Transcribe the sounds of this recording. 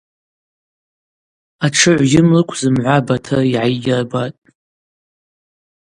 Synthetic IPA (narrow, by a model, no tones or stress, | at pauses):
aʈ͡ʂʰɨʕʷɡʲɪmlɨkʷʰzɨmʕʷabatʰariʕajɡʲɪrbatʼ